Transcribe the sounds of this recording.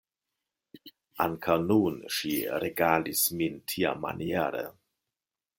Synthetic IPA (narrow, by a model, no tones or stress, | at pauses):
ʔaŋkʰawnunʃiɾeɡaːlismintʰia̰ma̰njɛːɾə̰